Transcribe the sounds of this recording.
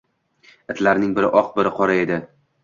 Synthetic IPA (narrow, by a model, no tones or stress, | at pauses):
ɪt̪ʰlaɾnɪŋbɪɾɪʔɒq̚bɪɾɪqʰɒɾae̞d̪ɪ